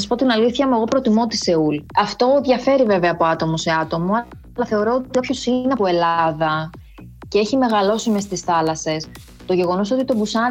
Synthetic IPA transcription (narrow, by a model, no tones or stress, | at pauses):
spo̞t̪inɐliθçɐmue̞ɣo̞pɾo̞t̪imo̞t̪ise̞ulɐft̪o̞ðʝɐfe̞ɾive̞veɐːpo̞ɐt̪o̞mo̞seɐt̪o̞moɐ | lɐθe̞o̞ɾo̞ot̪iɐpço̞sineɐpoe̞lɐðɐ | ceeçime̞ɣɐlo̞simest̪isθɐlɐse̞s | t̪o̞ʝe̞ɣo̞no̞s̬o̞t̪it̪o̞busɐ